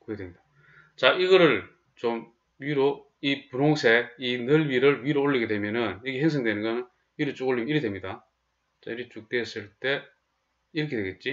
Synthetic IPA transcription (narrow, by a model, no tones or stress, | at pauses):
kɯɡedemɲid̥a | t͡ɕaiɡʌɾɯɭ | t͡ɕom | ɥiɾo | ipunoŋsʰe̞inɯɭbiɾɯɭɥiɾooɭːiɡe̞dwe̞mjʌnɯnjʌɡeɦeŋs̬ʰʌŋdwenɯnɡʌnɯn | iɾɯt͡ɕ͈oɡoɭːimiɾidwe̞mɲida | t͡ɕaiɾit͡ɕuk̚t͈e̞s͈ɯɭt͈e̞ | iɾɯkʰedweɡet̚t͡ɕ͈i